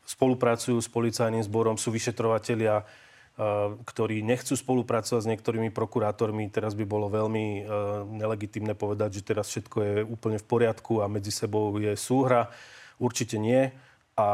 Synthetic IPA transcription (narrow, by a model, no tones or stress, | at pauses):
spɔlupɾat͡sujuːspɔlit͡sajniːmzbɔɾɔmsuːʋiʃɛt̪ɾɔʋacɛʎɪa | kt̪ɔɾiːɲɛxt͡suːspɔlupɾat͡sɔʋaɟzɲɪɛk̚t̪ɔɾiːmipɾɔkuɾaːt̪ɔɾmit̪ɛɾazbibɔlɔʋɛʎmiɲɛlɛɡit̪iːmnɛːpɔʋɛd̪aɟʒɛt̪ɛɾasfʃɛt̪kɔjɛuːpl̩ɲɛfpɔɾɪat̪kuamɛd͡zisɛbɔʊjɛsuːɦɾauɾt͡ʃicɛɲɪɛ | a